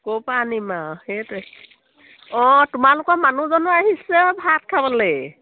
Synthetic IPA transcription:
kopanimaxetɛ | ɔ̃tʊmalʊkɔmanuzɔnɔaɦisɛbʱat̚kʰabɔle

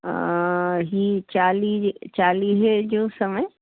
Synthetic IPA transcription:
ɦiːt͡ɕaːlit͡ɕaːliːɦd͡ʑoːsɐməɪ

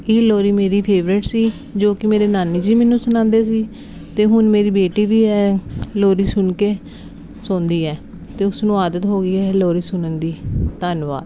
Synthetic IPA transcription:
ɪːloːɾiːmeːɾiːpʰeːʋɾɪʈsiː | d͡ʒoːkɪmeːɾeːnaːniːd͡ʒiːmɛːnũːsʊnãːnd̪eːsiː | t̪eːɦʊnmeːɾiːbeːʈiːʋiːɦɛːloːɾiːsʊnkeː | sõːnd̪iːɛː | t̪eːʊsnũːaːd̪ət̪ɦoːɡiːɛːloːɾiːsʊnənd̪iːt̪ənʋa̰ːd̪

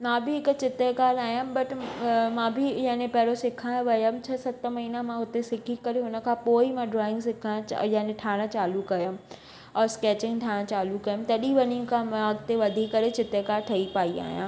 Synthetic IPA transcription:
mãbɪɦɪkt͡ɕɪt̪ekaːlaːɦijãbɐʈmãːbʱɪjɐ̃ɦɪ̃nẽpɐɦɪɾosɪkʰãːʋɐjəmt͡ɕʰɐsɐt̪mɐɦiːnamãʊt̪esɪkʰikɐɾeɦʊnə̆kʰãːpoːimãɖɾɔːɪ̃ŋɡsɪkʰã̰jɐ̃ɦnẽʈʰaːɽ̃ət͡ɕaːlukɐjʊ̃ | ɔːɾskɛːt͡ɕɪ̃ŋɡʈʰaːɽ̃ə̃t͡ɕaːlukɐjʊmt̪ɐɗĩʋɐɲĩkʰãmãɡt̪eʋɐd̪ʱikːɐɾet͡ɕɪt̪ekaːlʈʰɐipaːia̰ːɦijã̰ː

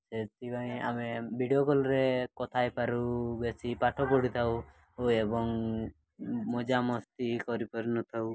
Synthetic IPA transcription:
set̪ibaĩa̰mebʱiɖiokɔlɔɾekɔt̪ʰajpaɾubesipaʈʰɔpɔɽit̪ʰaw | oebɔŋ | mɔd͡ʒamɔst̪ikɔɾipɔɾunɔt̪ʰaw

